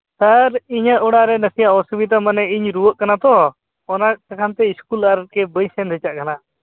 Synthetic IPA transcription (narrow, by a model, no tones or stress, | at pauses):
saɾiɲəʔɔɽaɾɛnəsijaɔsubit̪̬amanɛiɲɾuwəʔkanat̪ɔ | ɔnakakʰant̪ɛiskulaɾət̪̚kɛbəjsɛnd̪ʱɛt͡ʃaʔkana